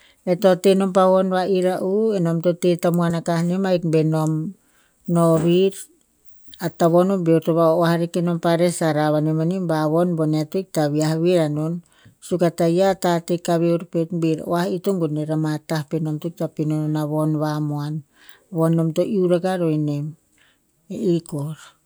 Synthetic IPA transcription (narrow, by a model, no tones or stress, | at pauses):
e̞to̞teno̞mpaβo̞nβaʔiɾaʔueno̞mto̞tetamoanakahnimajkbeno̞m | noβiɾ | ataβonobeuɾtoβaoahaɾikeno̞mpaɾesaɾaβanemanimbaβo̞nbo̞neatoik̚taβiahaβiɾanon | sukatajatatekaβeuɾpetbiɾo̰ahitoŋɡoneɾamatahpeno̞mtuk̚tapinononaβo̞nβamoan | βonːo̞mtoʔiuɾakaɾoinem | eikoɾ